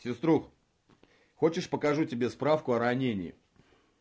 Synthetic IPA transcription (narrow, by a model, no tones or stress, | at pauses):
sʲɪst̪ɾux | xo̞t͡ɕɪʂpəkɐʐutʲɪbʲe̞spɾafkʊɐɾɐnʲenʲɪɪ̰